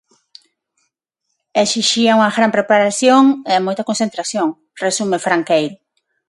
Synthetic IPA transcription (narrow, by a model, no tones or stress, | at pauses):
esiʃiauŋɐɣɾampɾepaɾasjoŋeamojt̪akonsent̪ɾasjoŋ | resumefɾaŋkejl